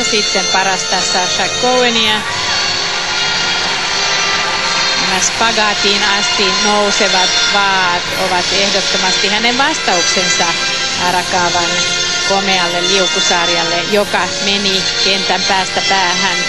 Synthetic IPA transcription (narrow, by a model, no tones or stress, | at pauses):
sit̪ːempɑɾɑst̪ɑsːɑsɑkːoueniɑ | næspɑɡɑːt̪iːnɑst̪inouseʋɑt̪ʋɑː | t̪oʋɑt̪ehdot̪ːomɑst̪ihæneʋʋɑst̪ɑuksensɑ | ɑrɑkɑːʋɑn | komeɑlːelliukusɑːrjɑlːejokɑ | meni | kent̪æmpæːst̪æpæːhæn